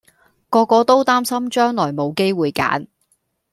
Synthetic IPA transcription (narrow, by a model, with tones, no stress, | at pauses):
kɔː˧kːɔː˧t̪o˥wt̪aː˥msɐ˥mt͡ʃœː˥ŋlɔː˨˩jmo˨˧wke˥jwuː˨˧jka̰ː˨˥n